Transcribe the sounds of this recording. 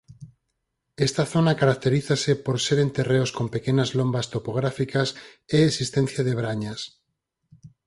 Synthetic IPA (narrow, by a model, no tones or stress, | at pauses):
est̪aθonakaɾak̚t̪e̞ɾiθasepoɾseɾẽnt̪e̞reosko̞mpekeɲazlombast̪opoɣ̞ɾafikaseːsist̪en̟θjaðeβ̞ɾaɲas